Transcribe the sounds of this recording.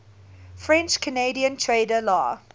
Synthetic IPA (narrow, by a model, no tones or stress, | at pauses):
fɹɛ̃nt͡ʃkʰəneɪdiə̃ntʰɹeɪdəlɔ̰ː